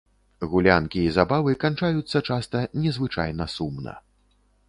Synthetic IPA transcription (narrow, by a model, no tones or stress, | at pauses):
ɣulʲankʲiːzabavɨkant͡ʂajut̪sːɐt͡ʂast̪ɐnʲɛzvɨt͡ʂa̰jnɐsumnɐ̰